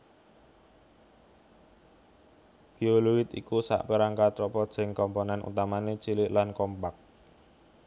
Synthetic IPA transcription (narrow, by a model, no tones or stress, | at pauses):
b̥ioluwɪt̪ḭkusa̰ʔpeɾaŋkat̪ɾɔpɔt̪sɪŋkɔmponɛnṵt̪amanet͡ʃilɪʔlankɔmpak̚